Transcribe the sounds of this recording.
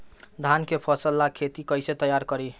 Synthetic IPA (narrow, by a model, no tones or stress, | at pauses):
d̪ʱankepʰəsəlːakʰet̪ikəjset̪əjaɾkəɾi